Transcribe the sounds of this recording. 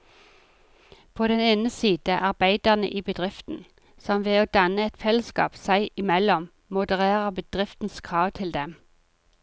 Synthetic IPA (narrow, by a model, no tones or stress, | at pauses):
pʰoːd̪ɛneːnəsiːd̪̥əʔɑʁbæɪd̪əʁnə̰ʔiːbəd̪ʁɪft̪n̩ | sɔmʋeːoːd̪ɑnəɛt̪fɛləskɑ̰ːpsæɪʔɪmɛlɔm | mʊd̪əʁeːʁəbəd̪̥ʁɪft̪n̩skʰʁɑːʋt̪ʰɪld̪ɛm